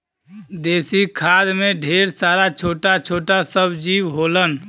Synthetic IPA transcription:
d̪eːsikʰad̪meɖʱeɾsaːɾat͡ʃʰoːʈat͡ʃʰoːʈasəbd͡ʒiːbɦolən

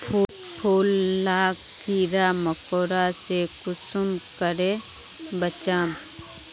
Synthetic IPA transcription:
pʰu | pʰuːlːaː | kiːɾaməkoːɾasekʊsʊmkəɾe | bət͡ʃaːm

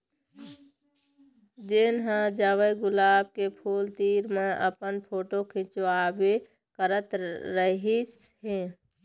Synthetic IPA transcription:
d͡ʒeːnɦãd͡ʒaːwəjɡʊlaːb̚kepʰuːlt̪iːɾmẽʔə̰pənpʰoːʈokʰɪt͡ʃwaːbe | kəɾət̪ɾəɦis | ɦẽː

